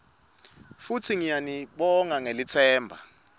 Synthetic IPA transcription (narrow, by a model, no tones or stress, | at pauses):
futʰiŋijaniɓɔŋaŋelit͡sʰɛːmbʱa